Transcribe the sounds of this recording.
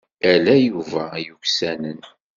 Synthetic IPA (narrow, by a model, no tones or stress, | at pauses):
ælæjuvæjuçsænən